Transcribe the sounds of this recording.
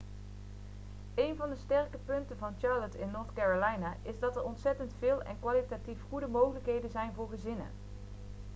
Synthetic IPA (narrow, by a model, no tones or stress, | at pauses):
ejnvɑndəstɛrkəpɵntəvɑnt͡ʃɑɹlətɪnːɔɹtkɛɹolɛjnaʔɪzdɑtɛɹɔntsɛtəntfɪːlˠɛ̰nkʋaːlitatifχudəmowχələkɦejdənzɛjnvʊːɹχəzɪnə̰